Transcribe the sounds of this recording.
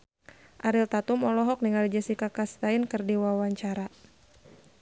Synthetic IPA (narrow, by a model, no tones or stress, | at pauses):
ʔaɾilt̪at̪umɔlɔɦɔk̚niŋald͡ʒasikakast̪ainkɨrdiwawaɲt͡ʃaɾa